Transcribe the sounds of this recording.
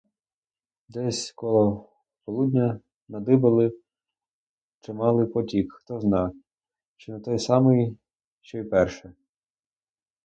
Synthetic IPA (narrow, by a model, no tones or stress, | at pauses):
d̪ɛsʲkɔlˠɔ | pɔlˠudʲnʲɐ | nɐd̪ɪbɐlˠɪ | t͡ʃɪmɑlˠɪpɔtʲikxt̪ɔznɑ | t͡ʃɪnɐt̪ɔjsɑmɪj | ʃt͡ʃɔjpɛrʃɛ